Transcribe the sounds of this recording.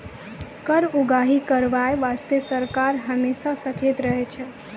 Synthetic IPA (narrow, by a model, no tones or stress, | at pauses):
kəɾuɡaɦikəɾʋajʋast̪əsəɾkaɾɦəmeʃasət͡ʃet̪ɾəɦet͡ʃʰe